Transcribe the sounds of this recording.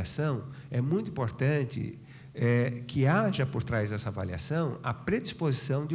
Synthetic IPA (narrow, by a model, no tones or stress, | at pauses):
asɐ̃w̃ɛmũj̃t̪ʊ̃ĩpoɾt̪ɐ̃nt̪ɪ̰ | ɛkʰɪaʒɐpoɾt̪ɾajzd̪ɛsɐava̰lia̰sɐ̃w̃ɐ̰pɾed̪ispozisɐ̃w̃d̪ɪ